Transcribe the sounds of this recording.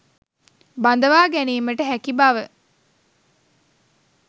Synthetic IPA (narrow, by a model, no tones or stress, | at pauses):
band̪əʋaːɡæniːməʈəɦækibaʋə